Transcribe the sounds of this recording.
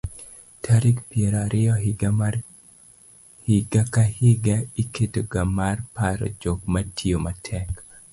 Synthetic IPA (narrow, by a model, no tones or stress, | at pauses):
tʰaɾikpjɛɾoaɾʔɪɔɡ | hɪɡakahɪɡaiketoɡamarpaɾɔ̰d͡ʒokmatʰiomatʰɛk